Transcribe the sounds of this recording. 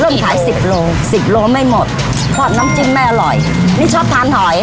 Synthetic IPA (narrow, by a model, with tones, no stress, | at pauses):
ɾɤː˥˩mkʰaː˩˦jsi˨˩p̚loː˧ | si˨˩p̚loː˧ma˥˩jmo˨˩t̪̚ | kʰɔː˨˩t̪̚naː˦˥mt͡ɕi˧˥˩mːa˥˩jʔa˧lɔ˨˩j | niː˥˩t͡ɕʰɔː˥˩p̚t̪ʰaː˧nhɔ˨˩˦j